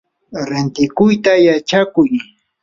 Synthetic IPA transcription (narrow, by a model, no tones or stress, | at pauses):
ɾɪnt̪ɪkʊjt̪ajat͡ʃakʊj